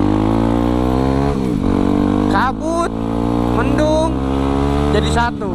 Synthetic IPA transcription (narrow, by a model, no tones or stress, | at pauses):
kabut̪̚ | mənduŋ | d͡ʒadisat̪u